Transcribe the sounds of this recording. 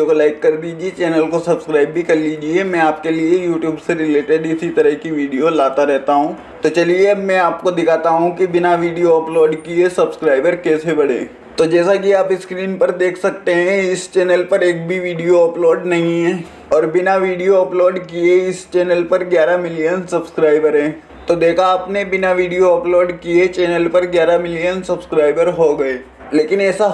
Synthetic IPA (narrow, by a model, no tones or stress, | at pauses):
okolaːɪkːɐɾd̪iːd͡ʒiet͡ʃɛːnəlkosɐbskɾaːɪbːʱikɐɾliːd͡ʒiemɛ̃aːp̚keliejuːʈjuːbseɾɪleːʈɪɖɪsit̪ɐɾəɦkiʋiːɖijolaːt̪aɾɛɦt̪aɦũː | t̪ot͡ʃɐliemɛ̃aːp̚kod̪ɪkʰaːt̪aɦũkibɪnaʋiːɖijoɐploːɖkiesɐbskɾaːɪbəɾkɛːsebɐɽḛː | t̪od͡ʒɛːsakiaːpɪskɾiːnpɐɾd̪eːkʰsɐk̚t̪eɦɛ̃ɪst͡ʃɛːnəlpɐɾeːk̚bʱiʋiːɖijoəploːɖnɐɦĩɦɛ̃ | ɔːɾbɪnaʋiːɖijoɐploːɖkieɪst͡ʃɛːnəlpɐɾɡjaːɾamɪlijənsɐbskɾaːɪbəɾɦɛ̃ː | t̪od̪eːkʰaaːpnebɪnaʋiːɖijoəploːɖkiet͡ʃɛːnəlpɐɾɡjaːɾamɪlijənsɐbskɾaːɪbəɾɦoɡɐeː | leːkɪnɛːsa